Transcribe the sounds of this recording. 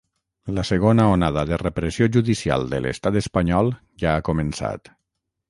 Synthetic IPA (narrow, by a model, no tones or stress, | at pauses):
ləsəɣ̞onaonaðəðərepɾəsioʒuðisia̰lˠd̪ə̰lʔə̰st̪at̪əspaɲɔlˠ | ʒaːkomənsa̰t̪